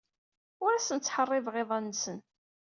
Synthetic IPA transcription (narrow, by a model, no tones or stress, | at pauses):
ʊɾæsənt͡sːħərˤːeðʁɪðˤɑnːsən